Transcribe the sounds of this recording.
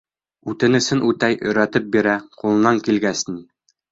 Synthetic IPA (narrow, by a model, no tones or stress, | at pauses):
ʉt̪ɘ̆nɘ̆sɘnʔʉt̪æjʔɵ̰̆jɾæt̪ɘp̚biɾæqulˠɤ̆nɑŋkilɡæsni